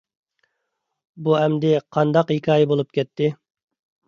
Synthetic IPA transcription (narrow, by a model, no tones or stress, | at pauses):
buɛmd̪ɪqʰɑnd̪ɑqhikʰʲɑːjɛbolˠup̚kʲʰɛt̪ʰːɪ